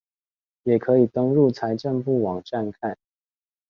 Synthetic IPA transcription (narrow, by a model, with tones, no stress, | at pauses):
jɛ˨˩kʰɤ˨˥i˨˩t̪ɤ˥ŋɻu˥˨t͡sʰa˧˦ɪʈ͡ʂə˥˧npu˥˩wɑ˨˩ŋʈ͡ʂa˥˧nkʰa˥˩n